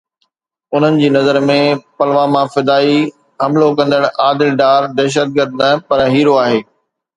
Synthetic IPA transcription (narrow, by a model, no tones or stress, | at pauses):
ʊn̤ənɪ̆d͡ʑiːnɐzəɾmẽpɐlʋãmãfɪd̪aːi | ɦɐmlokɐ̃nd̪əɽ̃aːd̪ɪlɖaːɾd̪ɛːʃ̬əd̪̚ɡəɾd̪nɐpɐɾɦiːɾoaːɦeː